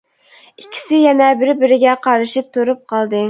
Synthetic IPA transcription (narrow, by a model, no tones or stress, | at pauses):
ikʲʰːi̥sɪjɛnɛbɪɾbɪɾɪɡʲɛqʰɑɾɨʃip̚t̪ʰuɾup̚qʰɑlˠd̪ɨ